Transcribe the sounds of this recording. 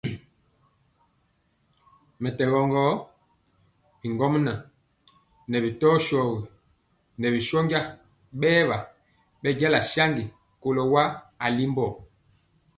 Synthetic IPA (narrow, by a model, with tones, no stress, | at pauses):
mɛ˨tɛ˨ɣɔ˨ŋɡɔ˦ | bi˨ŋɡɔ˦mna˨ | nɛ˨bi˨tɔː˦ʃɔ˨ɣi˨ | nɛ˨bi˨ʃɔ˦ɲɡa˦ | ɓɛː˦βa˨ | ɓɛ˦ɟɛ˦la˨ʃa˦ŋɡi˨ | ko˨lɔ˨wa˦a˨li˦mbɔ˦˨